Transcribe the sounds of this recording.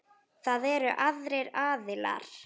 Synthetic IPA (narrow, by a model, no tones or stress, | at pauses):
θaðɛɾʏʔaðɾejɾaːðɪla̰ɾ̥